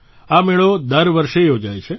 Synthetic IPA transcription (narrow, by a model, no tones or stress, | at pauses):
ameɭod̪əɾʋəɾʃejod͡ʒajt͡ʃʰe